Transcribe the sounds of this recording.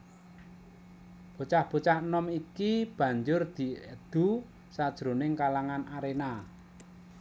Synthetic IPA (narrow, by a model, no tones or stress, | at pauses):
b̥o̤t͡ʃahb̥o̤t͡ʃahnɔmikib̥ä̤ɲd͡ʒʊrd̪̥i̤əd̪̥ṳ | sad̥ʒ̥ɾonɪŋkalaŋanaɾena